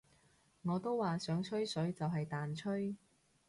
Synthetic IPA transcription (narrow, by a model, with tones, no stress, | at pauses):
ŋɔː˨˧t̪o˥wːaː˨sœː˨˥ŋt͡ʃʰɵ˥ɥsɵ˨˥ɥt͡sɐ˨wɦɐ˨jt̪aː˨nt͡ʃʰɵ˥ɥ